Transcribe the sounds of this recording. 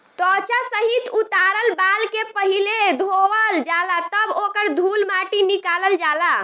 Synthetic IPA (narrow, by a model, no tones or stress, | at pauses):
t̪ɔt͡ʃasəɦit̪ut̪aɾəlbalkepəɦiled̪ʱowəld͡ʒalat̪əbokəɾd̪ʱulmaʈinikaləld͡ʒala